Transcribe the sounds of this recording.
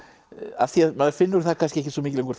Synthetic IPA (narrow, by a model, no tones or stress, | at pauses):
a̰fθiaðmaðfɪnːʏɾ̥θakʰanscɪɛhcɪ̥svɔmiːcɪlẽŋkʰɔɾ